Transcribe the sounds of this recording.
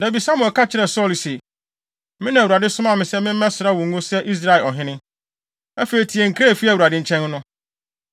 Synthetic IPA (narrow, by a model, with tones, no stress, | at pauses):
na˨bi˨sa˦mʊ̃˨ɛ˨kʰa˦t͡ɕʰɪ˨ɾɛ˨sɔ˦li˨se˨ | mɪ̃˦nã˨u˨ɾa˨dɪ˦sʊ˦mã˦˨mɪ̃˨sɛ˦mɪ̃˦mɛ̃˦sʊ˨ɾa˦˨wʊ̃˨˦ʊ̃˦sɛ˦ʔi˦s̬ɾa˦˨e˨lɔ˨ɦɪ̃˦nɪ̃˦ | æ˦fe˨ɾi˨tʰi˨ɛ˨ŋ̩˨kʰɾa˦˨fi˦æ˨u˨ɾa˨dɪ˦ɲ̩˨˦t͡ɕʰɛ̃˦n˦nʊ̃˦